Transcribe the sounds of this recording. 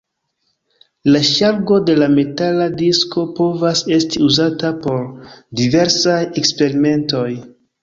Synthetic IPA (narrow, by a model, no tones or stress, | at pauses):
laʃaɾɡo̞de̞lame̞taladisko̞po̞vase̞stiuzatapo̞ɾdive̞ɾsaje̞kspe̞ɾime̞nto̞j